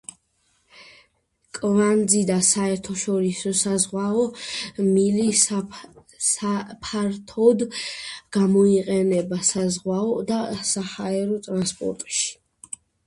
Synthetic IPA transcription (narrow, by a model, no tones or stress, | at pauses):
kʼvand̪zid̪asaɛɾt̪ʰɔʃɔɾisɔsazʁwaɔmili | sapʰaɾt̪ʰɔd̪ɡ̥amɔiqʼɛnɛbasazʁwaɔd̪asahaɛɾɔt̪ʼɾanspʼɔ̰ɾt̪ʼʃi̥